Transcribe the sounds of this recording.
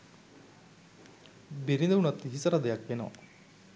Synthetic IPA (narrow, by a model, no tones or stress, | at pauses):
beɾind̪ɐunat̪ːiɦisəɾad̪ejakʋenoʋa̰